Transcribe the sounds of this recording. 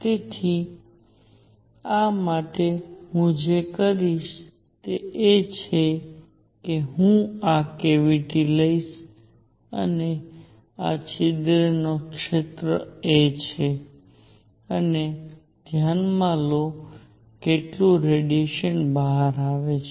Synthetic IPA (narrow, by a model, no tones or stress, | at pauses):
t̪et̪ʰi | amaʈeɦũd͡ʒekəɾiʃ | t̪eet͡ʃʰe | keɦũakeʋiʈiləiʃ | ə̰ne | a̰t͡ʃʰɪd̪ɾənokʃet̪ɾə̰et͡ʃʰe | əne | d̪̥ʱjanmãlo | keʈlũɾeɖijeʃənbəɦaɾaʋet͡ʃʰe